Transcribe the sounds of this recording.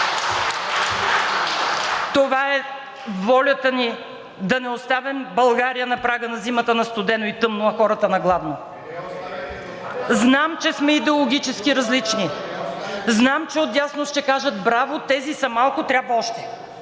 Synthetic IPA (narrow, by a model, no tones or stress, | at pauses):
t̪ovaɛ | vɔlʲət̪əni | d̪ɐnɛost̪avɛmbɐlˠɡaɾijənɐpɾaɡənɐzimət̪ənɐst̪ʊd̪ɛnoit̪ɤmnoɐxɔɾɐt̪ənɐɡlˠavno | znamt͡ʃɛsmɛid̪ɛolˠoɡʲit͡ʃɛskʲiɾɐzlit͡ʃni | znamt͡ʃɛot̪jasnoʃt̪ɛkaʒəd̪bɾavot̪ɛzisɐmalˠkʊt̪ɾʲabvɐɔʃt̪ɛ̥